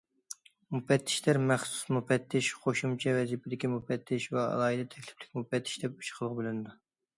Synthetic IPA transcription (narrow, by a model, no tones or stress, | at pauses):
mupɛt̪ʰːɪ̥ʃlæɾmæχsu̥smupɛt̪ʰːɪʃqʰoʃumt͡ʃʰɛvɛzipʰɪd̪ɪkʲimupɛt̪ʰːɪʃwɛɑ̰lˠɑːid̪ɛt̪ʰɛkʲlɪ̥flɪkʲmupɛt̪ʰːɪ̥ʃd̪ɛp̚y̥t͡ʃʰqʰəlˠəʁbɪlɪnɨd̪u